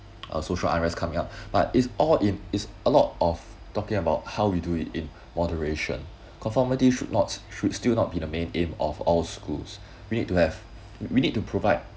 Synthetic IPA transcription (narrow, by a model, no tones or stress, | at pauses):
ʔə̰soʃəlʔa̰ɹɛskʰamɪ̃ŋap̚b̥a̰tɪtsʔɔlɪ̃nɪtsəlɔ̰tʔɔf | tɔkɪ̃ŋəbaʊt̚haʊwiduitɪ̃n | mɔdəɹeʃə̰̃n | kʰɔ̃nfɔmitiʃudnɔtʃudstilˠnɔt̚b̥idəmẽnẽmɔ̰fɔlskṵls | winid̚tuhɛv̥ | winid̚tupʰɹovaɪd̚